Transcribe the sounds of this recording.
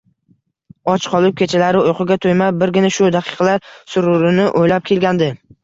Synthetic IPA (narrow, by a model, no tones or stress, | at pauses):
ɒt͡ʃqʰɒlˠɪp̚kʲʰe̞t͡ʃʰalaɾɪʊjqɨɡʲat̪ʰojmabɪɾɡʲɪnaʃʊd̪aqʰɨ̥qʰɑlaɾsʊɾʊɾɪnɪʔojlap̚kʲʰe̞lɡʲand̪ɪ